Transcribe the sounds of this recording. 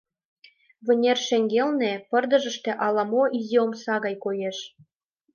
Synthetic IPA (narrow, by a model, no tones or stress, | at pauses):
βɘ̆nʲerʃĕŋɡelnĕpɤ̆rd̪ɤ̆ʒə̆ʃt̪ĕʔɑlɑmoʔizʲiomsɑɣɑjkojeʃ